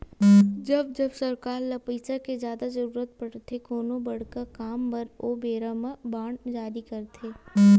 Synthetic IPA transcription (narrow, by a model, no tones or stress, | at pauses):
d͡ʒɐbd͡ʒɐbsɐɾkaːɾlɐpiːsakezjaːd̪azɐɾuːɾət̪̚pɐɽt̪ʰekoːnobɐɽ̤kəkaːmpɐɾoːbeːɾamabaːɳd͡ʒaːɾikɐɾt̪ʰeː